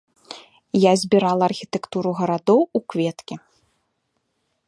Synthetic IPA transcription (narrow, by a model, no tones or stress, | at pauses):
jazʲbʲiɾalˠɐːrxʲit̪ɛkt̪uɾuɣɐɾad̪ɔwukvʲɛt̪kʲi